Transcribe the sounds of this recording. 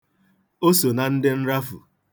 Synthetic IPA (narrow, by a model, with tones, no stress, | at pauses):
o˦so˨na˨n̩˦dɪ˦n̩˦ɾa˦fṵ˨